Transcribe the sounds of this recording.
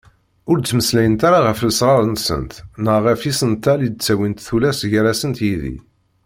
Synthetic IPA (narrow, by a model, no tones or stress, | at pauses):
ʊɾt͡sːməslæjənt̪aɾaʁəfləsɾˤɑɾnsə̰nt̪nəʁəfisənt̪ælid̪̚t͡sːæwint̪θulæsʝæɾæsənt̪jiðḭ